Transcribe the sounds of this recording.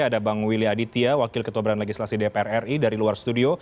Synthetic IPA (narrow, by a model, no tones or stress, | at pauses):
adabaŋwiliadit̪iawakɪlkət̪ubaɾanleɡislasidepeɛrɛridaɾiluarst̪udio